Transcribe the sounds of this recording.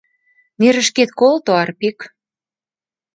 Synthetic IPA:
neɾə̆ʃket̪̚kolt̪oɑrpik

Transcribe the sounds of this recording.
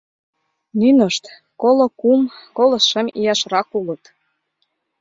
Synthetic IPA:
nynəʃt̪ | kolokumkolɤʃəmijɑʃrɑkulə̆t̪

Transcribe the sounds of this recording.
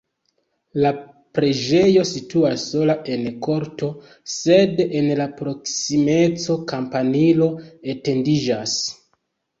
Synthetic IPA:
la | pɾe̞d͡ʒe̞jo̞situasːo̞laʔe̞nko̞ɾto̞ | se̞denlapɾo̞ksime̞t͡so̞kampanilo̞ete̞ndid͡ʒas

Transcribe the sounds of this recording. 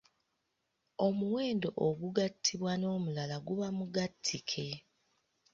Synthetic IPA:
o̞muweːndo̞ʔoɡuɡatʰːiβwano̞ːmulalaɡuβamuɡatʰːikʰe

